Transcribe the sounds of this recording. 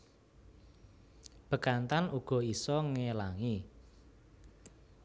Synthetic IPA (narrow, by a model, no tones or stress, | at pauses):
b̥ə̤kant̪anuɡ̥ɔ̤isɔŋelaŋi